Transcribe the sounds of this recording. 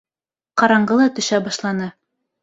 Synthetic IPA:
qɑɾɑɴɢɤlˠɑt̪ɵ̆ʃæbɑʃlˠɑnɤ

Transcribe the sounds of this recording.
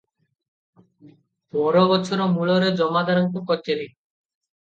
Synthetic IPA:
bɔɾobɔt͡ʃʰɔɾɔmuɭɔɾed͡ʑɔmad̪aɾɔŋkukɔt͡ɕeɾi

